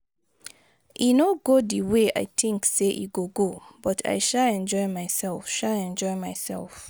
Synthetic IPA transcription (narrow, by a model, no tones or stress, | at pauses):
inoɡodiwea̰ɪt̪ʰɪ̃ŋkseʔḭɡoɡob̥ɔtʰa̰ɪʃalɛ̃nd͡ʒɔɪmaɪsɛlˠfʃalɛ̃nd͡ʒɔɪmaɪsɛ̰lf